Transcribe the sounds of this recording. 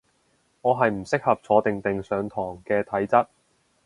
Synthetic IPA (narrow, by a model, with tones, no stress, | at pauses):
ŋɔː˨˧ɦɐ˨jm̩˨˩sɪ˥k̚hɐ˨p̚t͡sʰɔː˨˧t̪ɪ˨ŋt̪ɪ˨ŋsœː˨˧ŋt̪ʰɔː˨˩ŋkɛː˧t̪ʰɐ˨˥jt͡sɐ˥t̚